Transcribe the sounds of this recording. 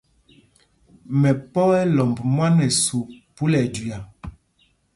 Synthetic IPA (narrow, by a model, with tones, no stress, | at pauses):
mɛ˨pɔ˦ɛ˦lɔ˨mbmwa˦nɛ˨su˨pu˦lɛ˨du˨ja˨